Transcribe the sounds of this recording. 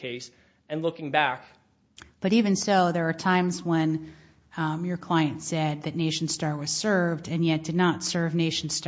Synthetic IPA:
eɪs | ɨ̃nlʊkɪ̃ŋbæk | b̥ʌɾivɨ̃nsoʊðə˞ɑtʰãɪ̃mzwə̃n | jə˞kʰl̥aɪɨ̃ntsɛd̪̚ðɨtⁿneɪʃn̩stɑɹwʌz̥sɜ˞vdɨ̃njɛt̚d̥ɨdⁿnətsɜ˞vneɪʃn̩st

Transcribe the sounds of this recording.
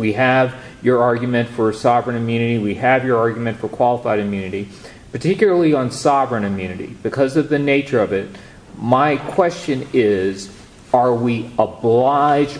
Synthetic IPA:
wiɨv | jə˞ɑɹɡjmɨ̃ntfə˞sɑvɹɨ̃nɨ̃mjʉnɨɾiwiɨvjə˞ɑɹɡjmɨ̃ntfə˞kʰw̥ɑlˠəfaɪɾɨ̃mjʉnɨɾi | pʰə˞tʰɪkjl̩ˠə˞lˠiə̃nsɑvɹɨ̃nɨ̃mjʉnɨɾḭb̥ɨkʰʌzʌvðɨneɪt͡ʃə˞ʌvɪt̚ | maɪkʰw̥ɛst͡ʃɨ̃nɪz | ə˞wiəblaɪd͡ʒ

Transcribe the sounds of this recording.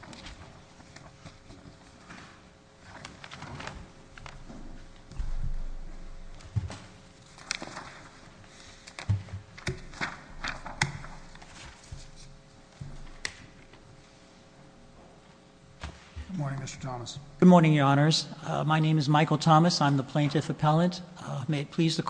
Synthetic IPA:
ɡ̥ʊd̚mɔɹnɪ̃ŋmɪstə˞tʰɑməsɡ̥ʊd̚mɔɹnɪ̃ŋjə˞ɑnə˞z̥maɪnẽɪ̃mɨzmaɪkl̩ˠtʰɑmɨsãɪ̃mðəpʰl̥ẽɪ̃ntɨfɨpʰɛlˠə̃ntmeɪɨt̚pʰl̥izðɨkʰ

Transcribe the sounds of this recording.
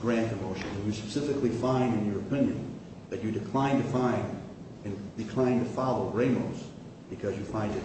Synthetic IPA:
ɡ̥ɹæ̃ntʰɨmoʊʃɨ̃nɨ̃njɨspɨsɪfɨklifãɪ̃ndɨ̃njə˞ɨpʰɪ̃njɨ̰̃n | ðɨt͡ʃɨdɨkʰl̥ãɪ̃ntɨfãɪ̃n | ɨ̃nd̥ɨkʰl̥ãɪ̃ntʰɨfɑlˠoʊɹẽɪ̃nboʊz̥ | b̥ɨkʰʌzjɨfãɪ̃ndɨ

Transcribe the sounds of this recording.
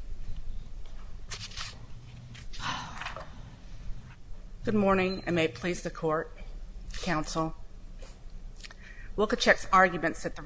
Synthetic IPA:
ɡ̥ʊd̚mɔɹnɪ̃ŋã̰ɪmeɪpʰl̥izðɨkʰɔɹt̚kʰãʊ̃nsl̩ˠ | wɪlˠkɨt͡ʃʰɛksɑɹɡjmɨ̃ntsɨt̪̚ðə

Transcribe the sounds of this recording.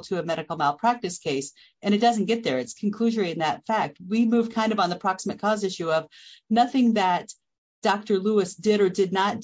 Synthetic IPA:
tʰɨɨmɛɾɨkl̩ˠmaɪlˠpʰɹ̥æk̚tɨskʰeɪs | ʔɨ̃ɾ̃ɨt̚d̥ʌz̃n̩ɡ̥ɛt̪̚ðə˞ɨtskʰn̩kʰl̥ʉʒə˞iɨ̃nðɨtfæk̚t̚wimʉv̥kʰãɪ̃ndʌvn̩ðəpʰɹ̥ɑksəmɨt̚kʰɔzɪʃʉʌv̥nʌθɪ̃ŋðɨt | d̥ɑk̚tə˞luɨsd̥ɪɾə˞dɨdⁿnət̚

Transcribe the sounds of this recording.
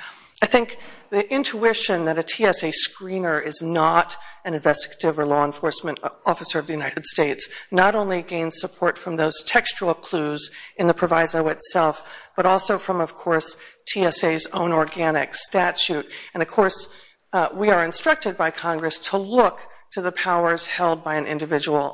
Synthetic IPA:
aɪθɪ̃ŋk̚ðiʔɪ̃ntʰuɪʃɨ̃nðɨɾɨtʰiɛseɪskɹĩnə˞ʔɪznəɾɨ̃nɨ̃ɱvɛstɨ̥ɡəɾɨvə˞lɔə̃nfɔɹsmɨ̃ntɔfəsə˞ʌvðɨjʉnaɪɾɨd̥steɪtsnəɾõʊ̃nliɡẽɪ̃nz̥səpʰɔɹtfɹʌ̃mðoʊz̥tʰɛkst͡ʃl̩ˠkʰl̥uzɨ̃nðɨpʰɹ̥ɨvaɪzoʊɨtsɛlˠfb̥ʌɾɔlˠsoʊfɹʌ̃mʌv̥kʰɔɹstʰiɛseɪzõʊ̃nɔɹɡænɪ̰kstæt͡ʃʉɾɨ̃nʌv̥kʰɔɹs | wiə˞ɨ̃nstɹ̥ʌk̚tɨd̚baɪkʰɑ̃ŋɡɹɨstʰəlʊktʰɨðɨpʰaʊə˞z̥hɛlˠd̚baɪɨ̃nʔɪ̰̃ndɨvɪd͡ʒəwl̩ˠ

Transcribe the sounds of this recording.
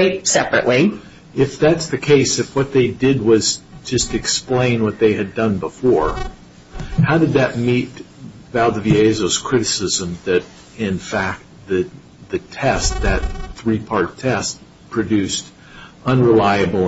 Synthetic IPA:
ɪt̚sɛpɹɨʔli | ɪfðætsðɨkʰeɪsɨfwʌt̪̚ðeɪdɪd̚wʌzd͡ʒʌstɨksplẽɪ̃nwʌt̪̚ðeɪɨdʌ̃nbəfɔɹ | haʊdɨd̪̚ðɨt̚mit̚ | vælˠdɨvieɪzoʊz̥kʰɹ̥ɪɾɨsɪzə̃mðɨɾ | ɪ̃nfæk̚t̪̚ðɨ | ðɨtʰɛst̪̚ðɨt̪̚θɹipʰɑɹttʰɛs̚ | pʰɹ̥ɨdʉst | ʌ̃nɹəlaɪɨbl̩ˠ

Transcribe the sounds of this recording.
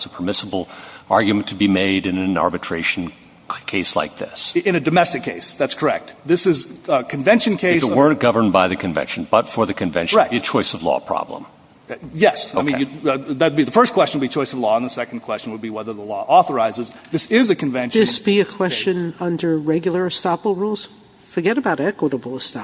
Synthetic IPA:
səpʰə˞mɪsəbl̩ˠʔɑɹɡjɨmɨ̃n̩tʰɨbimeɪɾɨ̃nɨ̃nɑ̰ɹbɨtʰɹ̥eɪʃn̩ | kʰeɪsla̰ɪk̚ðɪ̰sɨ̃nɨdɨmɛstɨkʰːeɪsðætskʰə˞ɛk̚t̪̚ðɪsɨzkʰɨ̃ɱvɛ̃nʃɨ̃nkʰeɪsəwɜ̃˞nɡ̥ʌvə̃˞nbaɪðɨkʰɨ̃ɱvɛ̰̃nʃn̩bʌtfə˞ðɨkʰɨ̃ɱvɛ̰̃nʃɛkɨt͡ʃʰɔɪsʌvlɔ̰pʰɹ̥ɑ̰blə̰̃m | jɛsaoʊɪm̃ḛɨðɨt̩biðɨfɜ˞skʰw̥ɛst͡ʃɨ̃nwɨlbit͡ʃʰɔɪsʌvlɔə̃nðəsɛkn̩kʰw̥ɛst͡ʃn̩wəd̚biwɛðə˞ðəlɔʔɔθə˞aɪzɨzðɪsɪzɨkʰɨ̃ɱvɛ̃nʃðɪsb̥iɨkʰw̥ɛst͡ʃɨ̃nʌ̃ndə˞ɹɛɡjl̩ˠə˞ɨstɑpl̩ˠɹulˠz̥ | fə˞ɡɛɾɨbaʊɾɛkwəɾəbl̩ˠəstɑ

